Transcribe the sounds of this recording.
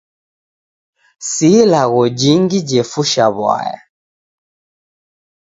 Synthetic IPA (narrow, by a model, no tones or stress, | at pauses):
silaɣɔd͡ʒiŋɡid͡ʒɛfuʃaβwa̰ja̰